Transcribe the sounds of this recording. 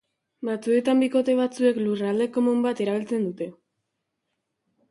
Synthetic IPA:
bat͡sue̞t̪ambiko̞t̪e̞βat͡sue̞klurald̪e̞ko̞mumbat̪e̞ɾaβ̞ilt͡se̞nd̪ut̪e̞

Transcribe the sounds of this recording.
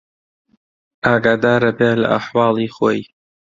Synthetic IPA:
ʔaːɡaːd̪aːɾɐbeːlɐ̰ʔaħwɑːlˠiːxo̰ːj

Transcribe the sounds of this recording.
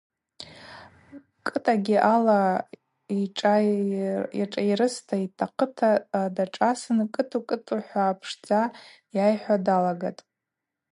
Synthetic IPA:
kʼɨtʼaɡʲiʔala | iʈ͡ʂʼa | aʈ͡ʂʼajɾɨstʰaitʰaqʰətʰadaʈ͡ʂʼasɨnkʼɨtʰʼukʼɨtʼuħʷaːpʰʂd͡za | jajħʷadalaɡatʼ

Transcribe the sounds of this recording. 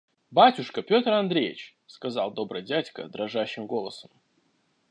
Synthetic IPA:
batʲʊʂkəpʲo̞t̪rɐnd̪ɾʲejɪt͡ɕ | skɐzɑlˠd̪o̞bɾəjdʲætʲkə̰d̪ɾɐʐaɕːɪmɡo̞lˠəsəm

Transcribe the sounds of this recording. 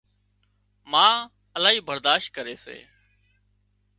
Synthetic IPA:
mãː | əlaːɦiːbəɾd̪aːʃt̪̚kəɾeːsḛː

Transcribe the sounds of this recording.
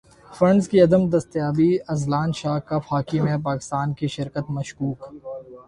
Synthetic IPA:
fɐ̃ɳɖzkiɐd̪əmd̪ɐst̪jaːbiɐzlaːnʃaːɦkafaːkimẽp̬aːkɪ̥st̪aːnkiʃɪɾkət̪mɐʃkuːk

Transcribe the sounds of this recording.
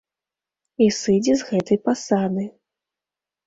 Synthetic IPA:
isɨd͡zʲɛzɣɛt̪ɐjpasad̪ɨ

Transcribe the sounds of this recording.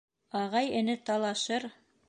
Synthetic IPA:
ɑʁɑjɘ̆nɘt̪ɑlˠɑʃɤɾ

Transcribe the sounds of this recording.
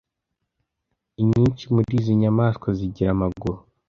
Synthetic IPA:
iɲiːɲt͡ʃimuiziɲamaːskwaziɟiɾamaɡuɾo

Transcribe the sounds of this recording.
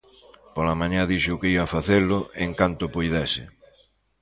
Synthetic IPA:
polamãɲãðiʃʊkeiβafaθelʊʔeŋkant̪ʊpojðɛsɪ̰

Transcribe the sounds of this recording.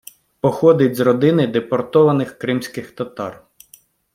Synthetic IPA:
pɔxɔd̪ɪtʲzrɔd̪ɪnɪd̪epɔrt̪ɔʋɐnɪxkɾɪmsʲkɪxt̪ɐt̪ɑ̰r

